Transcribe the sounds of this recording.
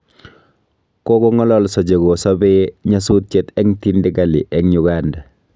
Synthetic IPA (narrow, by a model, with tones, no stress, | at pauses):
ko˦kɔ˦ŋɔ˦lɔ˦lsɔ˨d͡ʒe˨ɡo˨sɔ˦bɛɲa˦su˦t̚t͡ʃe˦tɛ˦ŋti˦ndɪ˦ɡa˨lḭ˨ʔɛ˦ŋɲu˨ɡanda˨